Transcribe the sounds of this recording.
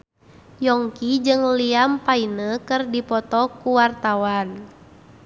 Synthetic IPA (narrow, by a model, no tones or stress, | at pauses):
jɔŋkid͡ʒɨŋliampainəkɨrdipɔt̪ɔkuwart̪awan